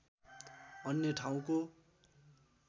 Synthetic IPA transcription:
ʌnjʌʈʰaw̃ko

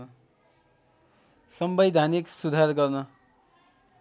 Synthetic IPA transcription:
sʌmbʌjd̪ʱaniksud̪ʱarɡʌrnʌ

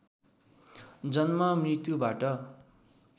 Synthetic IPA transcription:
d͡zʌnmʌmrit̪jubaʈʌ

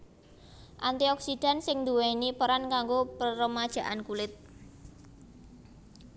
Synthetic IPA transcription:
ʔant̪iɔksid̪̥a̤nsɪŋnd̪uwenipəɾankaŋɡopəɾəmad̥ʒ̥ä̤ʔankulɪt̪̚

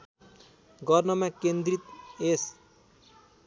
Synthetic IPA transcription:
ɡʌrnʌmakend̪rit̪es

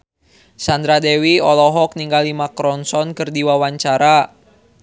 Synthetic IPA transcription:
sand̪ɾadɛwiɔlɔɦɔk̚niŋɡalimakɾɔnsɔnkɨrdiwawaɲt͡ʃaɾa

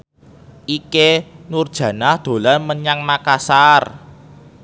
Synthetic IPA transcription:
ʔikenurd̥ʒ̥ä̤nahd̪̥o̤lanməɲaŋnakasar

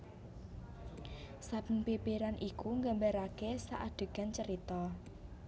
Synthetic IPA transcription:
sab̥ənpipiɾanʔikuŋɡambaɾakesaʔaɖ̥ə̤ɡ̥a̤nt͡ʃəɾit̪ɔ

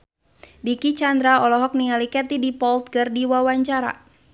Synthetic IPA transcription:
dikit͡ʃand̪ɾaɔlɔɦɔk̚niŋalikɛt̪idipɔlt̪̚kərdiwawaɲt͡ʃaɾa̰

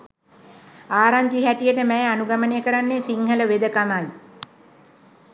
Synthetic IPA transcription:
aːɾaɲd͡ʒiɦæʈijəʈəmɛjanuɡamənejəkəɾanːesiŋɦələʋed̪əkamaj

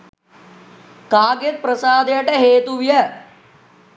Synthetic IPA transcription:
kaːɡet̪̚pɾəsaːd̪jeʈɛɦeːt̪uʋjɛ

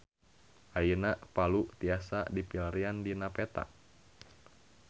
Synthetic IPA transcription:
ʔainapalut̪iasa̰dipilaɾiandinapet̪a̰ʔ

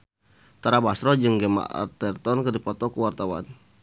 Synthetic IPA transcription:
t̪aɾabasɾɔd͡ʒɨŋɡɛma̰ʔa̰t̪ɛrt̪ɔnkədipɔt̪ɔkəwart̪awa̰n

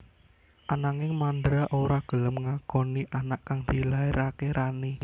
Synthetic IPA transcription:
ʔanaŋɪŋmand̪ɾaʔoɾaɡ̥ə̤ləmŋakɔniʔanaʔkaŋd̪̥i̤laiɾʔakeɾʔani

